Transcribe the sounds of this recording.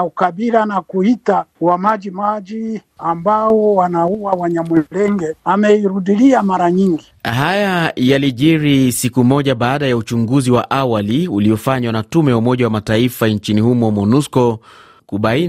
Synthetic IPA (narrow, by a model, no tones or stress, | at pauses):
ukaɓiɾanakuitawamaʄimaʄiambaɔwanauwawaɲamɛlɛŋɡɛamɛiɾuɗiliamaɾaɲiŋɡihajajaliʄiɾisikumɔʄaɓaːɗajaut͡ʃuŋɡuziwaʔawaliuliɔfaɲwanatumɛjaumɔʄawamataifaɲt͡ʃinihumɔmɔnuskɔ | kuɓain